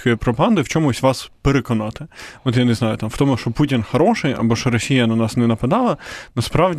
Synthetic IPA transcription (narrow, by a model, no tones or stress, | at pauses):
kɔjipɾɔpɐɦɑnd̪ɪwt͡ʃɔmʊsʲtʲʋɑspeɾekɔnɑt̪ɪɔt̪janeznɑjʊt̪ɑmwt̪ɔmʊʃt͡ʃɔputʲɪnxɐɾɔʃɪjɐ̰bɔʃɔɾɔsʲijɐnɐnɑsnɛnɐpɐd̪ɑlˠɐnɐspɾɑʋdʲ